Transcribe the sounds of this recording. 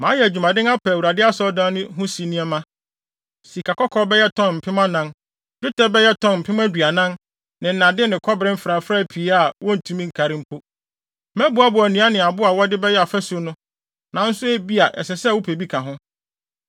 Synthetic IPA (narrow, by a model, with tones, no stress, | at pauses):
mãː˨˦jɛ˨æ˨d͡ʑᶣu˨mã˨dɪ̃˦na˦pʰa˨wɾa˨dɪ˦a˦sɔ˦dã˦nʊ̃˦ɦʊ̃˦si˨˦nĩ˦ɛ˦mã˦ | si˨kʰa˨kɔ˦kʰɔ˦bɛ˦jɛ˦tʰɔ̃˦nm̩˨pʰɪ̃˦mã˦nã˦n | d͡ʑᶣʊ˦tʰɛ˦bɛ˦jɛ˦tʰɔ̃˦nm̩˨pʰɪ˦m˦æ˦dɥa˨nã˦n | nɪ̃˨n̩˨nã˨dɪ˦nɪ̃˨kʰɔ˦bɪɾɪ˦fɾa˨fɾa˦˨pʰi˨˦a˦˨wɔ˦n̩˨tʰũ˦mĩ˦ŋ̩˨kʰa˨ɾɪ̃˦m̩˦pʰo˦ | mɛ̃˦bʊ˨˦a˦bʊ˨æ˨nĩ˨˦a˦nɪ̃˨a˨bʊ˦a˨wɔ˦dɪ˦bɛ˦jɛ˦a˨fæ˦su˨˦nʊ̃˦ | nã˨n̩˦sʊ˦e˦bi˦a˨ʔɛ̰˨sɛ˨sɛ˦˨wʊ˦pʰe˨bi˦kʰã˨ɦʊ̃˦